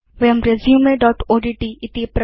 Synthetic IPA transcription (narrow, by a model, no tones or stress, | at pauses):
ʋeɐmɾezjũmẽɖɔːʈoːɖiːʈiɪt̪ipɾ